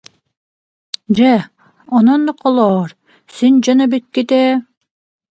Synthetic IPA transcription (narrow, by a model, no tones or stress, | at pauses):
d͡ʑɛ | ɔnɔnːqʰɔlˠɔːɾ | sind͡ʑɔnɑbit̪̚kit̪ɛː